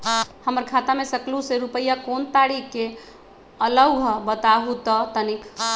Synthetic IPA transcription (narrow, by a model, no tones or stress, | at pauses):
həməɾkʰat̪amesəkluseɾupəjakont̪aɽike | ələwɦəbət̪aɦut̪ət̪ənikʰ